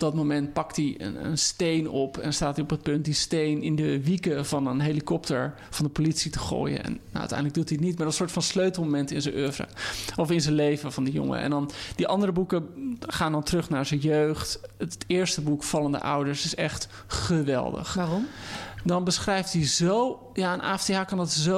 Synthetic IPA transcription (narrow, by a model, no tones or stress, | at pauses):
bdɑtmomɛnt̚pɑktiə̰nə̰nstejnɔpʰɛ̰nnstaːtiɔpət̚pɵnt̚distejnɪndəʋikəv̥ɑnənɦelikɔptəɹ | v̥ɑndəpolitsitə̥χo̰ːjə̰ɛ̰nːa̰wʔə̰tɛ̰jndələɡ̚dutiətnitmaːɹənsʊːɹtfɑnsløɥtl̩ˠmomɛntɪnzənʔøvrə̰ɔfɪnzənlejvəvɑndəjʊ̰ŋə̰ɛ̰ndɑnd̥iʔɑndəɾəbukəχaːndɑntərɵχnaːɹzənjøɥχttɪːɹstəbukfɑlˠəndə̰ʔa̰wdəɹsɪsɛχt | χəʋɛ̰lˠdə̰χarɔmdɑnbəsχrɛjftdizow | jaːənʔa̰ːɛfdeɦaːkɑndɑtzo